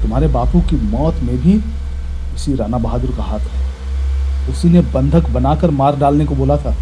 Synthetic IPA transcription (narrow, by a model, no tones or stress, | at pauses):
t̪ʊmɦaːɾebaːpũkimɔːt̪mẽbʱi | ʊsiɾaːnabɐɦaːd̪əɾkaɦaːt̪ʰɦɛː | ʊsinebɐ̃nd̪ʱəkbɐnaːkəɾmaːɾɖaːlnekoboːlat̪ʰaː